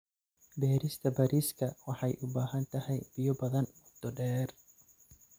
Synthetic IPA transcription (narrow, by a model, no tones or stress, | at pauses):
bɛːɾɪst̪ʰɐbɐɾiskʰɐwɑħɑjʔʊbaːɦɐnt̪ʰɐhɛjb̥ɪjɔbɐðɐnbʊd̪̥ɔɖɛːr